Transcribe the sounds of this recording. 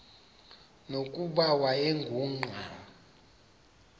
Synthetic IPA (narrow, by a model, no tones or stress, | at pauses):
nokʼuɓawaeŋɡʱuːŋ͡ǃʱa